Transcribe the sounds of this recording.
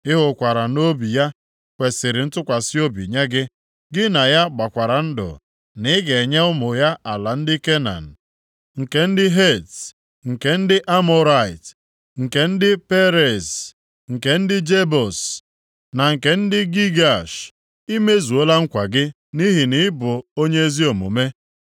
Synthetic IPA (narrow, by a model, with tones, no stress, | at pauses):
ɪ˦ɦʊ˨kʷa˨ɾa˨no˦bi˨ja˦ | kʷe˨sɪ˨ɾɪ˨n̩˦tʊ˦kʷa˨sɪ˦o˦bḭ˨ɲe˦ɡɪ˦ | ɡɪ˦na˨ja˦ɡ͡ba˨kʷa˨ɾa˨n̩˦dʊ̰˨ | nɪ˨˦ɡe˨ɲe˦ʊ˦mʊ˨ja˦a˨la˨n̩˦dɪ˦ke˦na̰˨n̩˨ | ŋ̩˨ke˨n̩˦dɪ˦ɦe˦˨t | ŋ̩˨ke˨n̩˦dɪ˦ʔa˦mɔ˦ɾa˦˨ɪ˨t | ŋ̩˨ke˨n̩˦dɪ˦pe˦ɾe˨s | ŋ̩˨ke˨n̩˦dɪ˦d͡ʒe˦bɔ˨s | na˨ŋ̩˨ke˨n̩˦dɪ˦ɡi˦ɡa˨ʃ | i˦me˦zu˨o˦la˦ŋ̩˦kʷa˨ɡɪ˦ | ni˦ɦi˨nɪ˨˦bʊ˨o˦ɲe˦e˦zi˦o˨mṵ˨me˦